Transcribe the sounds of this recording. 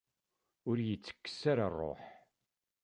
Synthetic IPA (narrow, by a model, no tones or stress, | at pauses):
ʊɾjət͡sːə̥kːə̥saɾarˤːo̰ħ